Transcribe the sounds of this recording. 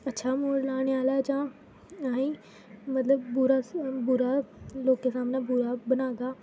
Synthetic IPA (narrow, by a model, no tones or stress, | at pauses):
ətːʃʰaːmoːɽlaːɽ̃eaːlaːd͡ʒãː | aĩː | mət̪ləbːʊɾabʊɾaːloːkeːsaːmnãːbuːɾaːbənaːɡaː